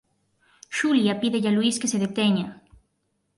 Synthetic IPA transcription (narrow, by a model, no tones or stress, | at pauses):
ʃuljapiðeʎalwiskeseðet̪eɲa